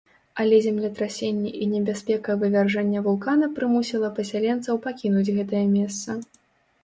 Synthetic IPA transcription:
ɐlʲɛzʲɛmlʲɛt̪ɾasʲenʲːɛʔinʲɛbʲaspʲɛkɐvɨvʲarʐanʲːɐvulˠkanɐpɾɨmusʲilˠɐpɐsʲalʲɛnt̪sɐwpakʲinud͡zʲɣɛt̪ɐjɐmʲɛst̪sɐ

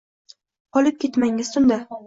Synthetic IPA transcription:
qʰɒlɪp̚kʲʰe̞t̪maŋɪz̥sʊnd̪a

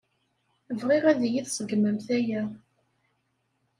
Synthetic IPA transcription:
əvʁiʁæðjiθsˤəɡməmθæjæ

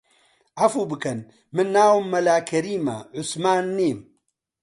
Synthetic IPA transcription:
ʔɐfuːbɨkɐn | mɨnːaːwmːɐlaːkʰɐɾiːma̰ʕʊsmaːnːiːm

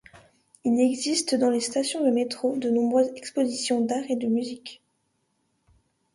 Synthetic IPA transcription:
ilɛɡzist̪d̪ɑ̃lest̪asjɔ̃d̪əmet̪χod̪ənɔ̃bʁøzɛkspozisjɔ̃d̪aʁed̪əmyzik

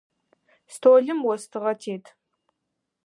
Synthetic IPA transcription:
stʰoːɮɨmwɔstʰɨʁɐtʰeːtʰ

